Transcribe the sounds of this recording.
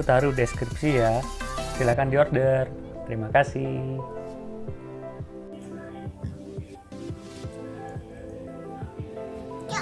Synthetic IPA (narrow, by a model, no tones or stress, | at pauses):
t̪aɾudɛskɾipsijasilakandiɔrdər | t̪əɾimakasi